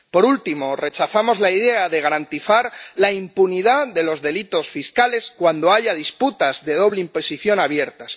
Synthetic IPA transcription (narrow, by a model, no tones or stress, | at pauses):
po̞ɾult̪imo̞re̞t͡ʃaθamo̞zlaiðe̞aðe̞ɣ̞aɾant̪iθaɾlaimpuniðaðe̞lo̞zðe̞lit̪o̞sfiskale̞skwand̪oaʝað̞isput̪azðe̞ð̞o̞βleimpo̞siθjo̞naβje̞ɾt̪as